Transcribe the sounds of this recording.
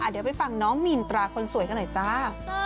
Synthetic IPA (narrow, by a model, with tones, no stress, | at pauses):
ʔa˨˩di˩˦wpa˧˨jfa˧ŋnɔː˦˥ŋmi˧˩nt̪ɾaː˧kʰo˧nsu˨˩˦jka˧nɔ˨˩˦t͡ɕaː˦˥